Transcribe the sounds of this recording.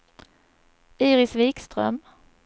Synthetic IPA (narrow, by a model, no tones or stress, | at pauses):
iːɾɪsviːkst̪ɾœ̰m